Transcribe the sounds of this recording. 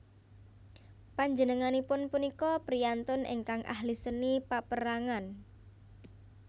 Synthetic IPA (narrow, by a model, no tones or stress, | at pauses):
paɲd͡ʒənəŋanipʊnpunikɔpɾijant̪ʊnʔḛŋkaŋʔa̰hlisənipapəɾaŋan